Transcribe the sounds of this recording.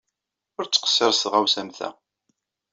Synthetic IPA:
ʊɾt͡sːə̥qə̥sːəɾsʁæwsæmθæ̰

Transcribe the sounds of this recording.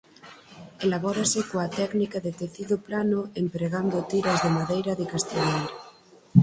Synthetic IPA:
elaβ̞ɔɾasekoat̪ɛknikaðet̪eθiðoplanoempɾeɣand̪ot̪iɾazðemaðejɾaðekast̪iʎejɾa

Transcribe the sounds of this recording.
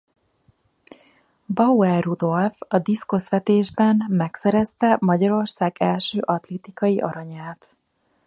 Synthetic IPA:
bɒuɛrrud̪o̞lfɒd̪iskosʋɛt̪eːʒbɛnmɛksɛɾɛst̪ɛmɒɟɒɾo̞rsaːɡɛlʃøːʔɒt̪lɛt̪ikɒjiʔɒ̰ɾɒɲaːt̪

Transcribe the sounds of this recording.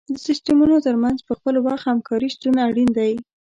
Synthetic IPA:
d̪əsɪsʈamunot̪əɾmanzpəxpəlwɑxhamkʰɑɾist̪unaɽind̪aj

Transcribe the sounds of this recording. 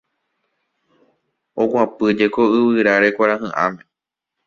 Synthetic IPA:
oɡʷãpɨd͡ʒeko̞ɨβɨɾaɾe̞kʷaɾaɦɨ̃ʔã̰mẽ

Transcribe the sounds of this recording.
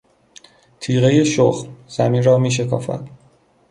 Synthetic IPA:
t̪ʰiːɣe̞je̞ʃoxmz̥æmiːnɾɒːmiːʃ̬e̞kʰɒ̰ːfæ̰d̪̥

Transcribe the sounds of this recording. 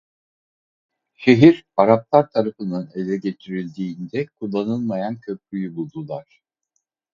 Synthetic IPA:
ʃe̞ɦiɾaɾap̚lˠaɾt̪ʰaɾafɯnɯne̞lʲɛɟe̞t̪ʰiɾilʲd̪iːnd̪ɛkʰulˠːanɯlˠmajancʰøp̚lʲyjybulˠd̪ulˠaɾ̥

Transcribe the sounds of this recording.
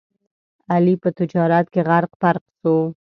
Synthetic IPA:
alipət̪ɪd͡ʒɑɾat̪keɣaɾqpaɾqso

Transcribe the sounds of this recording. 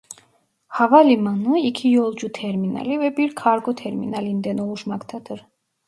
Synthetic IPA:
havalimanəikʰijɔlˠd͡ʒut̪ʰɛɾminɑ̰livɛbiɾkʰɑɾɡɔt̪ʰɛɾmḭnɑlind̪ɛnɔʁuʃmakt̪ʰɑd̪ʰəɾ

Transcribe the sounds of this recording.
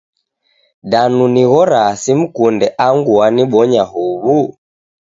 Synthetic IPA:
ɗanuniɣɔɾasim̩kundɛʔaŋɡuaniɓɔɲahuβu

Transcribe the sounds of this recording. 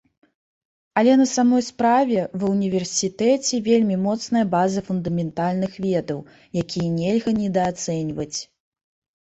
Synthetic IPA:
ɐlʲɛnɐsamɔjspɾavʲɛvɨwnʲivʲɛrsʲit̪ɛt͡sʲɛvʲelʲmʲimɔt̪snɐjɐbazɐfund̪ɐmʲɛnt̪alʲnɨxvʲɛd̪ɐw | jakʲijɐnʲɛlʲɣɐnʲɛd̪ɐːt̪sɛnʲvɐt͡sʲ

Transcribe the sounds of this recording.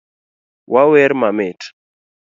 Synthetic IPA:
wawɛɾmamɪt

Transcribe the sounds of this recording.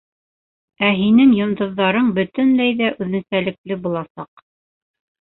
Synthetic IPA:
æɦinɘŋjŏnd̪ɤ̆ðːɑɾɤɴbɵ̆t̪ɘnlæjðæʔʉðnɘ̆sælɘ̆klɘbulˠɑsɑq

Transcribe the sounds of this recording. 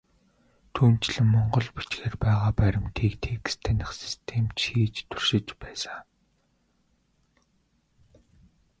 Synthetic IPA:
t̪ʰuːn̥t͡ɕ̆ɮɘ̆mːɔɴɢɞ̆ɮpi̥t͡ɕɡeːrpæːʁaːpæɾʲɪ̆mt̪ʰiːkt̪ʰeːkst̪ʰænʲɪ̆χsi̥st̪ʰemt͡ɕxiːt͡ɕt̪ʰu̥r̥ʃɪ̆t͡ɕpæːsaŋ

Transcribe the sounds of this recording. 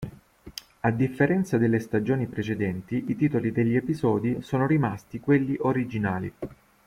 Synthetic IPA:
ad̪ifːeɾɛnt̪sad̪elːest̪ad͡ʒoːnipɾet͡ʃed̪ɛnt̪iit̪iːt̪olid̪eʎːiepizɔːd̪isoːnoɾimast̪ikwelːiʔoɾid͡ʒinaːlḭ

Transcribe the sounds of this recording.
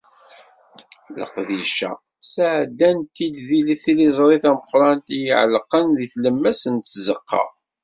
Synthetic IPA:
lə̰qðiʃæ̰ | saʕd̪ːænt̪id̪ðiliθilizˤɾˤiθæməqɾˤɑnt̪ijəʕlqːənðiθləmːæsənt̪ːzəqʰːɑ̰

